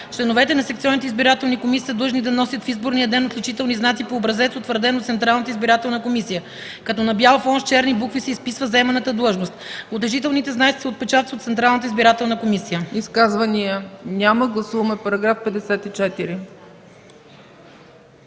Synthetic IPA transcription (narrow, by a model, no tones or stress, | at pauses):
t͡ʃlɛnovɛt̪ɛnɐsɛk̚t̪siɔnit̪ɛizbiɾat̪ɛlˠnikomisi̥əd̪lˠɤʒnid̪ɐnɔsʲjət̪fizboɾnijəd̪ɛnot̪lʲut͡ʃit̪ɛlˠniznat̪sipoːbɾɐzɛt̪sot̪vəɾd̪ɛnot̪sɛnt̪ɾalˠnət̪əizbiɾat̪ɛlˠnəkomisijə | kɐt̪ɔnɐbjalˠfɔnʃt͡ʃɛɾnibukvisɛispisvəzɛmɛnət̪əd̪lˠɤʒnost̪ot̪ɛʒit̪ɛlˠnit̪ɛznat̪si̥siot̪̚pɛt͡ʃat̪iot̪sɛnt̪ɾalˠnət̪əizbiɾat̪ɛlˠnəkomisijəiskazvəniənʲaməɡlˠɐsuvɐmɛpɐɾɐɡɾafpɛd̪ɛsɛt̪it͡ʃɛt̪iɾi